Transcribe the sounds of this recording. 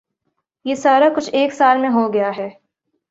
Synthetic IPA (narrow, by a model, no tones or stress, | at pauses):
jeːsaːɾakʊt͡ʃʰeːksaːlmẽɦoɡɐjaɦɛː